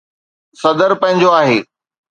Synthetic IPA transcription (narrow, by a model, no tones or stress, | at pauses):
sɐd̪əɾpɐ̃ɦɪ̃ɲd͡ʑoaːɦeː